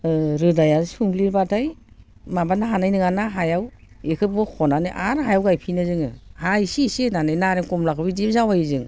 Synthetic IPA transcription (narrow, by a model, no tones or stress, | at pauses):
ɾɯdajasuŋbliɾbatʰaj | mabanaɦanajnɯŋanaɦajaw | ekʰɯt̚bɔkʰɔnanɯʔaɾɦajawɡajpʰinɯzɯŋɯhajsisinanajnaɾeŋkɔmlakʰɯbidimzawajizɯŋ